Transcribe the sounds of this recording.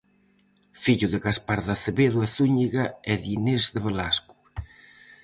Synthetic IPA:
fiʎuðɪɣaspaɾðaθeβeðuɛθuɲiɣaɛðinezðeβelasku̥

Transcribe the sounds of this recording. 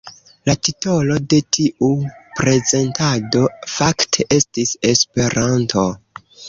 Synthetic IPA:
latito̞lo̞de̞tʰiʔupɾe̞ze̞ntado̞faktʰe̞ʔe̞stise̞spe̞ɾantʰo̞

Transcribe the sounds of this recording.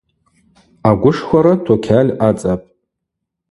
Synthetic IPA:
aɡʷʊʂχʷaɾatʰakʲʰalʲat͡sʼapʼ

